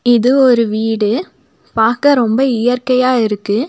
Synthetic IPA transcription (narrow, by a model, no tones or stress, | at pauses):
ɪðɯɔɾɯʋiːɽɯ | paːɾkɐɾɔmbɐɪjɐrkɐjaːɪɾɯkːɯ